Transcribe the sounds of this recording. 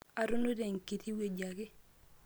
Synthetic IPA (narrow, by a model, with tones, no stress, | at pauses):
a˨ɾu˦no˦de˨ŋki˨ti˦we˨d͡ʒa˨ɡɪ˦